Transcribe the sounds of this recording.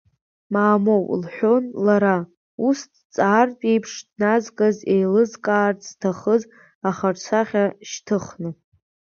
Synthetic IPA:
maːmo̞wlħʷᶣo̞nlaɾa | ustʰt͡sʼaːrtʼejpʰʂdnazkʼazejlɨzkʼaːrtʰz̥tʰaχəz | aχart͡sʷʰaχʲaʃtʰɨχnɨ

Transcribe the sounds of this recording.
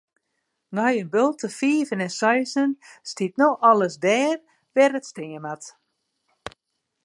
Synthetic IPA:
nɔjənbølˠtəfiːvənɛnsœjsənstit̚noɔlˠəsdɛːr | ʋɛrətstɪŋəmat

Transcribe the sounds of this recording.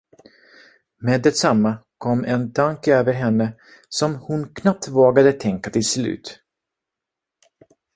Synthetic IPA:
meːd̪ːɛt̪samːakʰɔmːɛnd̪ʰaŋkøːvəɾɦɛnːə | sɔmhʊnkʰnap̚t̪voːɡad̪ət̪ʰɛŋkat̪ʰɪlslʉ̟̰ːt̪

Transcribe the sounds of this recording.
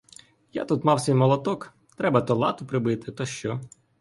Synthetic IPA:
ja̰t̪ut̪mɑwsʲijmɔlˠɔt̪ɔk | t̪ɾɛbɐt̪ɔlˠɑt̪ʊpɾɪbɪt̪ɪt̪ɔʃt͡ʃɔ

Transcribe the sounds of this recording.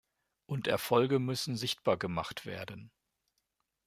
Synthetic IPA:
ʔʊntʔɛɐfɔlɡəmʏsn̩zɪçt̚b̥aːɐɡəmaχtv̥ḛːɐdn̩

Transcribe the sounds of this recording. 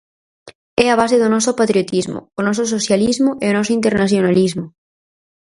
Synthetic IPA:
ɛaβ̞aseðʊnɔsʊpat̪ɾiot̪izmʊ̰onɔs̬osoθjalizmʊʔeonɔsʊint̪eɾnaθjonalizmoʊ

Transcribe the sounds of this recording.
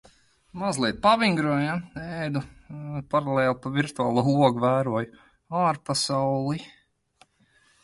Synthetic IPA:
mazlˠiɛt̪̚paʋiŋɡɾuɔjaɛːjd̪upaɾalˠeːlˠpaviɾt̪uaːlˠuuɔɡuvæːɾuɔj | aːɾpasawlˠi

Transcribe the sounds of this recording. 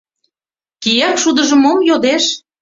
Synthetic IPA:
kijækʃud̪ə̆ʒə̆momjod̪eʃ

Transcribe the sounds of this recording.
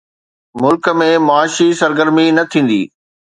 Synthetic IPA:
mʊlkə̆mẽmʊaːʃisɐɾɡəɾminɐt̪ʰĩːn̆d̪ḭː

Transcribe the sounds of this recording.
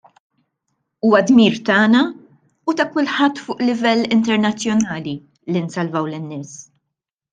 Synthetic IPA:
uːwɐd̪miːɾt̪ɐːnɐ | ut̪ɐkʊlħɐt̪ːfʊːʔlɪvɛlːɪnt̪ɛɾnɐt͡sːjɔnɐːli | linsɐlvɐwlɪnːɪːs

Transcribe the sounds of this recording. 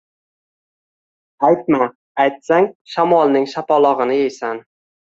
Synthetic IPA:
ajt̪̚ma | ajt̪saŋʃamɒlˠnɪŋʃapɒlˠɒʁɨnɪjejsan

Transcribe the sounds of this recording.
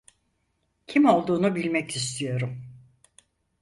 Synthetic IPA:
cʰimo̞lˠd̪uːnubilʲmɛcist̪ʰijo̞ɾum

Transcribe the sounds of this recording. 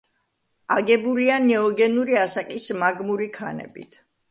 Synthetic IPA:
aɡɛbulianɛɔɡɛnuɾiasakʼismaɡmuɾikʰa̰nɛ̰bḭt̪ʰ

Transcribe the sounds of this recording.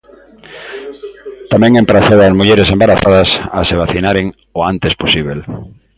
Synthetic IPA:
t̪amɛ̃ŋẽmpɾaθowazmuʎeɾesembaɾaθað̞ɐsaseβaθinaɾeŋ | oant̪esposiβ̞el

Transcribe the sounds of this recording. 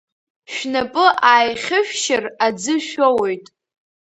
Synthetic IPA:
ʃᶣnapʼɨʔaːjχʲɪʃᶣʃɪrad͡zɨʃᶣowojtʼ

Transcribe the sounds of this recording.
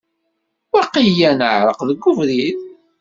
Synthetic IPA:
wæqijænəʕɾəqðəɡːʊvɾið

